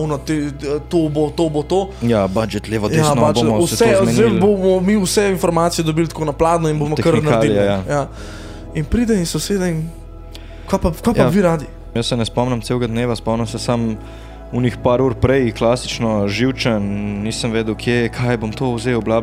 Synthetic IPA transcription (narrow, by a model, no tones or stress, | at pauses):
wnɔt̪et̪obot̪obot̪ojabad͡ʒɛt̪leʋɔdj̪asnɔbabɔusɛmnelbomɔmiusɛinfɔɾmaːt̪sijɛd̪ɔbilt̪konɐplaːd̪nɔinbomɔkəɾnɐɾaililajaja | inpɾid̪ɛinsoseːd̪ɛin | kʋapakʋapaʋiːɾaːd̪i | jəsːɛnɛspɔmnɛmt̪sewɡad̪neːʋaspɔmnɐmsɛsam | unixpaɾuɾpɾɛjklasit͡ʃnɔʒiwt͡ʃənniːsəmʋeːd̪əwkʰjekʰajbomt̪owzewblaːb